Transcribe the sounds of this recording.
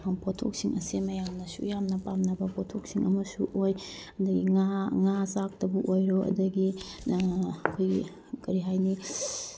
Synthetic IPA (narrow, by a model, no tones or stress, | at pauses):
ɐŋpʰotʰo̰k̚siŋʔɐsimɐjamnɐsṵjamnɐpamnɐbɐpʰotʰok̚siŋɐmɐsuʔojɐdɐɡiŋaŋasak̚tɐbuʔojɾoɐ̰dɐɡi | ɐkʰojɡi | kɐɾiɦajni